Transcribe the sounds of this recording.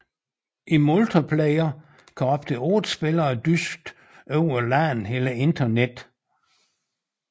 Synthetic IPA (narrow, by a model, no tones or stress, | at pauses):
ʔimolt͡sʰɐpʰlɛɪɐ | kʰɒb̥d̥ʰəoːð̥̩ˠsb̥elɐd̥ysɡ̥̚d̥ | øʊ̰ɐlæːn̩ɦelɐe̝nd̥ɐned̥